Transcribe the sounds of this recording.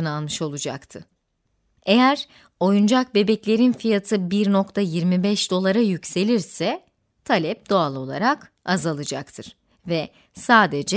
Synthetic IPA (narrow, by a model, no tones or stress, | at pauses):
ɯnalˠmɯʃo̞lˠud͡ʒa̰kt̪ʰɯ | ejæɾ | o̞jund͡ʒak̚be̞bɛclʲe̞ɾinfijat̪ʰɯbiɾno̞kt̪ʰajiɾmibɛʃd̪o̞lˠaɾajycse̞lʲiɾsɛ | t̪ʰalʲɛp̚d̪̥o̞alˠo̞lˠa̰ɾak | azalˠɯd͡ʒakt̪ʰɯɾ̥ | vɛ | saːd̪ed͡ʒɛ